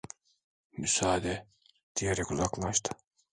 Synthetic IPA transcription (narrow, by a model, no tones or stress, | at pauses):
mysaːd̪ɛ | d̪̥ijeɾɛkuzaklˠaʃt̪ʰɯ̥